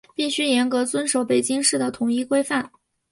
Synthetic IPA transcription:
pi˥˩ɕy˥jɛ˧˥nkɤ˧˥t͡swə˥nʂo˨˩˥ʊpe˨˩ɪt͡ɕi˥ŋʂɻ̩˥˩d̪ə˩t̪ʰʊ˨˩ŋi˥˩kwe˥ɪfa˥˩n

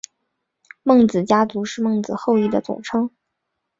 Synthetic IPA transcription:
mɤ˥˩ŋt͡sɹ̩˨˩t͡ɕja˥t͡su˧˥ʂɻ̩˥˧mɤ˥˩ŋt͡sɹ̩˨˩xo˥˧ʊi˥˩d̪ə˩t͡sʊ̰˨˩ŋʈ͡ʂʰɤ˥ŋ

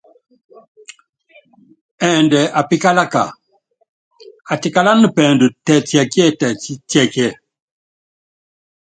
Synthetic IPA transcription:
ɛ˨ndɛ˨ʔa˨pi˦ka˦la˦ka̰˨ | a˨ti˨ka˦la˦nə˦pɛ˨ndə˨tɛ˨tjɛ˨kjɛ˦˨tɛ˨˦tɛ˨kjɛ˦˨

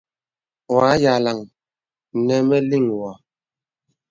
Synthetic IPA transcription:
wa˨˦ja˨la˨ŋ˨ | nɛ˦mɛ˦li˦˨ŋwɔ˨

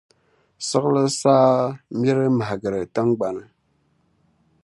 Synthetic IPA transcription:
sɨ˦ɣlɨ˦saː˦mjɛ˦ɾɨ˦ma˨hɡɨ˨ɾɨ˨tɨ˦ŋɡ͡ba˨nɨ˨

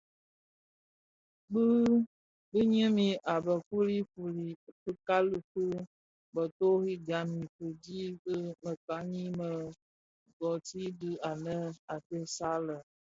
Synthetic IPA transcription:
ɡ͡bɨ˦ | bɨ˦ɲ˦ə̃˦mĩ˨ʔa˨bə˨ku˦li˦fu˨li˨fɨ˦ka˦lu˨kɨ˦ | bə˨t̪o˦ɣi˦ɡa˨mĩ˨fɨ˨d͡ʒi˦bə˦mə˨ka˨˦ɲĩ˦mə˨ | ɡɔ˨ti˦dɨ˦a˨nə̃˦a˨te˦sa˦lə˨

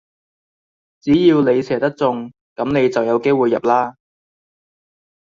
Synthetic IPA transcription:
t͡siː˨˥jiː˧wne˨˧jsʰɛː˨˩t̪ɐ˥k̚t͡sʊ˨ŋ | kɐ˨˥mne˨˧jt͡sɐ˨wjɐ˨˧wke˥jwuː˨˩jɐ̰˨p̚laː˥

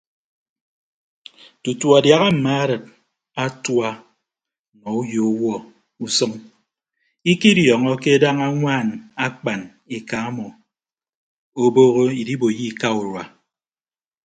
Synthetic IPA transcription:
tu˨tu˨a˨dja˨ɣa˦m̩˨ma˦a˦ɾɨ˨t̚ | a˦twa˦ | nɔ˨u˦jo˨˦wɔ˦ | u˨sɔ˦ŋ | i˦ki˦djɔ˨ŋɔ˦ke˦da˦ŋa˦ŋʷaː˦˨na˦k͡pa˨n | i˨ka˨a˦mɔ˨ | o˦boː˦ɣo˦i˨di˦bo˨ji˦˨ka˦u˨ɾwa˨

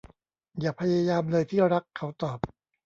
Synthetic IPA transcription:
jaː˨˩pʰa˧jaː˧jaː˧mlɤː˧jt̪ʰiː˥˩ɾa˦˥kʰːa˦˥wt̪ɔː˨˩p̚

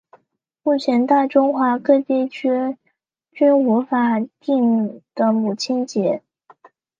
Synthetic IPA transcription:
mu˥˩t͡ɕʰjɛ˧˥nt̪a˥˩ʈ͡ʂʊ˥ŋxwa˧˥kɤ˥˧t͡ɕjɛ˥˩t͡ɕʰɛ˥ | t͡ɕy˥nu˧˥fa˨˩t̪i˥˩ŋ˨˩d̪̥ə˦mu˨˩t͡ɕʰi˥nt͡ɕjɛ˧˥

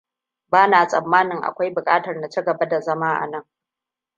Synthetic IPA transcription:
baː˦naː˨sʼɐ˨mːaː˦nɪ˨ŋʔa̰˨kʷa˦jbʊ˨kʼaː˦tɐ˨rna˨t͡ʃi˦ɡɐ˨ba˦da˨zɐ˦maː˦ʔa̰˨nɐ˦ŋ

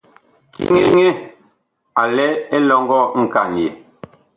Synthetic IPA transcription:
kḭ˦ŋe˦ŋe˦ | a˨lɛ˦e˦lɔ˦ŋɡɔ˦˨ŋ̩˦˨ka˨n˨je˨

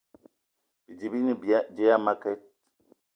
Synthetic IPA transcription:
b̥i˨d͡ʒi˨bi˦ni˦bi˨a˦d͡ʒe˦ja˦ma˦ke˦t̚

